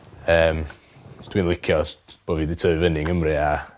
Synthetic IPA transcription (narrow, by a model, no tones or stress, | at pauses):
əːm | d̥wiːnlˠɪkʰjɔb̥oːviːdɪtʰəɨvənɪŋəmrɪa